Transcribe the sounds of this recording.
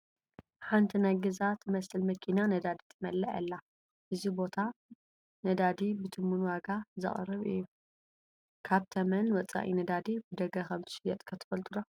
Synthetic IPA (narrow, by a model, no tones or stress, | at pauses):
ħant̪ʰinajɡɐzat̪ʰɨmɐsɨlmɐkʰinanɐd̪ad̪it̪ʰɨmɐlːɐʔɐ̰lːa | ʔɨzibo̞t̪ʰa | nɐd̪ad̪ibɨt̪ʰɨmːunwaɡazɨ̰χʼrɨβɨ̰jːu | kʰaβt̪ʰɐmɐnwɐt͡sʼa̰ʔḭnɐd̪ad̪ibɨd̪ɐɡɐkɐmt̪ʰɨ̥ʃɪjɛt̪ʼkʰɐt̪ʰɨ̥fɐlt̪ʰʼud̪a